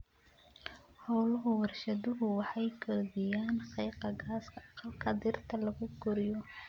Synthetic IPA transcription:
hɔwlʊɦʊwɑrʃɐðʊɦʊwɑħɑjkʰɔːðɪjaːnχɑjqɑɡaːskʰɐɑqɑlkʰɐd̪ɪrt̪ʰɐlɐɣʊɡɔɾɪjɔ

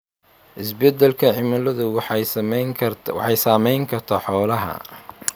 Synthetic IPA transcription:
ʔɪsbɛd̪ɛlkʰɐʕɪmɐlɐðʊ | wɑ̰ħɑjsaːmɛjŋkʰɐrt̪ʰaħɔːlɐɦɐ̰

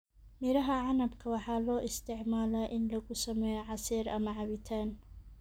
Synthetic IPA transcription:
mɪɾɐɦɐʕɑnɐbkʰɐwɑħɑːlɔːʔɪst̪ʰɪʕmaːlaʔɪnlɐɣʊsɐmɛːjɔʕɑsiːɾɐ̰mɐʕɑβɪt̪ʰaːn

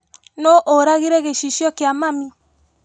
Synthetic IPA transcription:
noʔoɾaɣiɾɛɣeʃiʃjɔkeamami

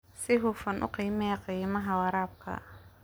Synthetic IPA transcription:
sɪɦʊfɐnʔʊ̰qiːmɛqiːmɐɦɐwɑɾaːb̚kʰɐ̰

